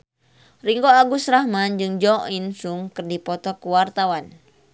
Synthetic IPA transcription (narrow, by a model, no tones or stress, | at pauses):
riŋɡoaɡusɾahmand͡ʒɨŋd͡ʒɔinsuŋkɨrdipɔt̪ɔkuwart̪awan